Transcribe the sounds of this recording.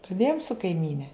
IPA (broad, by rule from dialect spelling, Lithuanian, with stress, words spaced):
prɐˈdʲeːjoːm sʊ kɐɪˈmʲiːnʲɛ